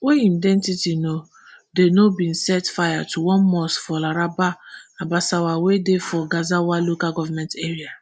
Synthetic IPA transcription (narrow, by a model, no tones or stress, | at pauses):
weĩndɛ̃ntitino | denobĩn̩sɛtfajatʰuwɔ̃nmɔsfɔlaɾabaabasawawedefɔɡazawalokaɡɔvamɛ̃nteɾia